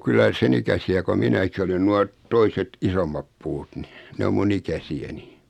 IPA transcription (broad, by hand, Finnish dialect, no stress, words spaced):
kylːæ sen ikæsiæ ko minæki olen nuɑ toiset isomːɑp puːt ni ne om mun ikæsiæni